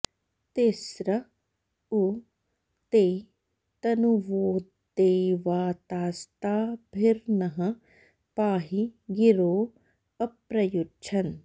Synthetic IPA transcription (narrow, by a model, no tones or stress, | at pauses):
t̪esɾɐ | u | t̪eː | t̪ɐnuʋoːd̪eːʋaːt̪aːst̪aːbʱiɾnɐɦɐ | paːɦiɡiɾoː | ɐpɾɐjut͡ʃʰɐn